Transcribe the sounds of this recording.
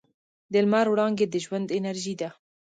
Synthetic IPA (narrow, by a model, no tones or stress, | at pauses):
d̪əlmaɾwɽɑŋɡed̪əʒwand̪ɪnaɾʒid̪a